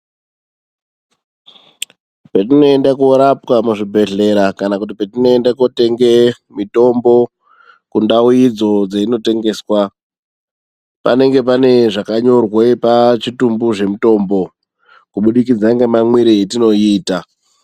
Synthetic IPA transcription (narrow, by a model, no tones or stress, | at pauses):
petino̞e̞ndakoɾapwamuʐibʱe̞ɮe̞ɾakanakut̬ipetino̞endakote̞ŋɡe̞ | mito̞mbo̞ | kundauid͡zo̞d͡zaino̞te̞ŋɡe̞ːswa | pa̰ne̞ŋɡe̞p̬ane̞ʐakaɲo̞rwepat͡ʃitumbuʐe̞muto̞mbo̞ | kuɓuɗikid͡zaŋɡemamwiɾeːtino̞iːta